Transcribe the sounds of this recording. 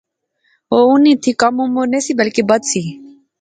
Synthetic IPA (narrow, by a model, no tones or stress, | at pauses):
oːʊnĩːt̪ʰiːkəmumoːneːsiːbəlkeːbəd̪siː